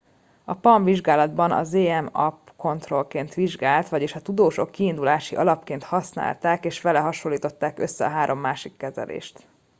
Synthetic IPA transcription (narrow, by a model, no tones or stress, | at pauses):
ɒpɒɱviʒɡaːlɒd̪bɒnɒ̰zeːɛmɒp | ko̞nt̪ro̞lkeːnt̪ʋiʒɡaːlt̪ʋɒɟeːʃɒt̪ud̪oːʃo̞̰kːiːnd̪ulaːʃḭʔɒlɒpkeːnt̪hɒsna̰ːlt̪aːkeːʃʋɛlɛɦɒʃolːiːt̪o̞t̪ːaːkøsːɛɒ̰ɦaːɾʔo̞mːaːʃikːɛzɛ̰lʔḛːʃt̪